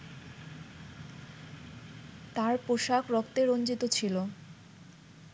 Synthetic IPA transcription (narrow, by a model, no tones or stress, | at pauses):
t̪aɾpoʃakɾɔkt̪eɾond͡ʑit̪ot͡ɕʰilo